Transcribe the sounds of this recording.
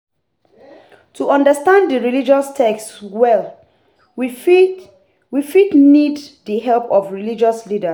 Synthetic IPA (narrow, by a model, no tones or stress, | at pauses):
tʰuʔɔ̃ndəstãndəɹilid͡ʒɔstʰɛkstwɛl | wi | wifidnidðəɦɛlpɔfɹilid͡ʒɔslidəs